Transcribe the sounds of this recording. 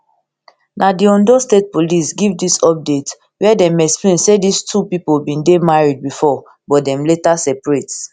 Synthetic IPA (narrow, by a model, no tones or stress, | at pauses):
nadiɔ̃ndostet̚polisɡivdisɔp̚det | wɛɛdɛ̃mɛksplẽnsedistʰupipolbĩndemaɹid̚bifɔ | bɔdɛ̃mletasɛpɹet